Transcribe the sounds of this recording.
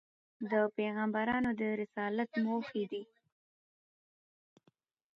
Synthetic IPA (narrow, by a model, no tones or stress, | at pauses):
d̪əpeɣambaɾɑnod̪əɾɪsɑlat̪mofid̪i